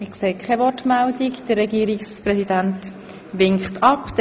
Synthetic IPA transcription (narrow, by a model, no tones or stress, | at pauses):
mɪkseːkʰɛvɔtmældikd̪̥əɾːɛɡiːɾiksprɛsidænt | ʋɪŋkχtʰɑpd̥̪